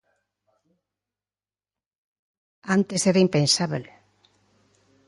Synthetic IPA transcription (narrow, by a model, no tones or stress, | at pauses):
ant̪eseɾaimpensaβel